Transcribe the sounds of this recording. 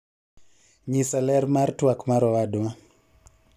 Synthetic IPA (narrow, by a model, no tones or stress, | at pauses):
ɲisalɛɾmaɾtuakmaɾɔwaduma